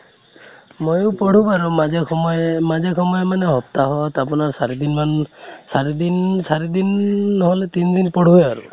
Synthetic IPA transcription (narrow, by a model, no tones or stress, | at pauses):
mojʊpɔɽ̤ubaɾuad͡ʒkɔmad͡ʒekʰɔmɔjɔmaneɦɔp̚t̪aɦɔt̪apunaɹsaɾid̪inmansaɾid̪insaɾid̪inːɔɦɔlet̪ind̪inpɔɽ̤uaɾṵ